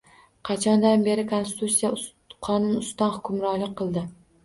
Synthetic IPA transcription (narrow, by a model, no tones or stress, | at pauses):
qʰɑt͡ʃʰɒnd̪anbe̞ɾɪkʰonst̪t̪ʰut̪sija | qʰɒnʊnʊst̪ɒnhʊ̥kʰʲʊmɾɒlɪk̚ʲqʰːɨlˠd̪ɪ